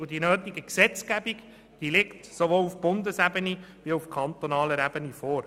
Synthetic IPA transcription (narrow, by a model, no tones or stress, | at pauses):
udinøːt̪iɡəksɛt͡skæbik | d̥ilɪktsovoːlufb̥ʊnd̪əsæbəniviufkʰɑnt̪ɔnɑːləɾæb̥ənifoːɾ